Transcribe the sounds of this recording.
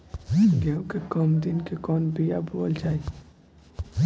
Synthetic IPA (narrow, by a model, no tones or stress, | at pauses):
ɡeũkekɔmd̪inkekɔːnbʱija̰boəlt͡ʃaːi